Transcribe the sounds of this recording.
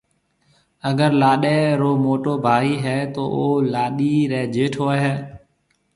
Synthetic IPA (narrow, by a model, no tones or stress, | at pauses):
əɡəɾlaːɗɛːɾoːmoːʈoːbʱaːiːɦɛːt̪o̰ːʔoːlaːɗiːɾɛːd͡ʒeːʈʰoːɦɛː